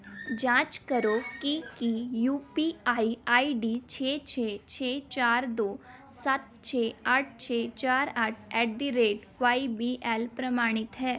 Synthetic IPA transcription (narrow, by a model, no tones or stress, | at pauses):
d͡ʒãːt͡ʃkəɾoːkikijuːpiaːiaːiɖit͡ʃʰeːt͡ʃʰeːt͡ʃʰeːt͡ʃaːɾd̪oː | sɐt̪̚t͡ʃʰeːaʈʰt͡ʃʰeːt͡ʃaːɾəʈʰɛːʈ̚ɖ̪iɾeːʈ | ʋaːibiʔɛːlpɾɐmaːɽ̃ɪt̪ɦɛː